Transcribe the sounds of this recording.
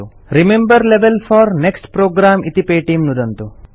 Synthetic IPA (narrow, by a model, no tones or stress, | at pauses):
u | ɾimembɐɾleʋelfʰaːɾneksʈpɾoːɡɾaːmit̪ipeːʈimnud̪ɐnt̪u